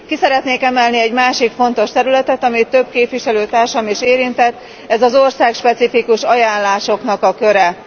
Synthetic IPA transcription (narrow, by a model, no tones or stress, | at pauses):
kisɛɾɛt̪neːkɛmɛlniɛɟmaːʃikfo̞n̪t̪o̞ʃt̪ɛɾylɛt̪ɛt̪ɒmit̪ːø̞bkeːpʋiʃɛløːt̪aːrʃɒmiʃeːɾint̪ɛt̪ː | ɛzɒzo̞rsaːkʃpɛt̪sifikuʃɒjaːnlaːʃo̞knɒkɒkø̞ɾɛ